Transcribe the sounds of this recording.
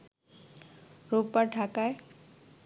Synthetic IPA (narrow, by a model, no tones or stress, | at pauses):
ɾupaʈakaj